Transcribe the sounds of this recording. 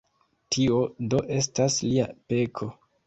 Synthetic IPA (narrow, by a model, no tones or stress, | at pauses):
tʰio̞do̞ʔe̞s̬tasliape̞kʰo̞